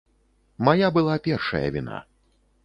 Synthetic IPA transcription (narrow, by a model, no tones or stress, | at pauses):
majabɨlˠapʲɛrʂɐ̰jɐ̰vʲina̰